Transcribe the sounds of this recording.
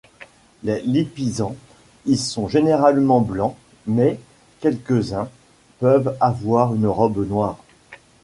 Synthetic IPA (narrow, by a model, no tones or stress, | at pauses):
lelipizɑ̃ | ilsɔ̃ʒeneʁalmɑ̃blɑ̃ | mɛ | kʲɛlkəzɛ̃ | pœvavwaʁynʁɔbnwaːʁ